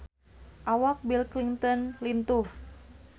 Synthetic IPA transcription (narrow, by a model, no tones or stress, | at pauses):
ʔawak̚bilkliŋt̪ɔnlint̪uh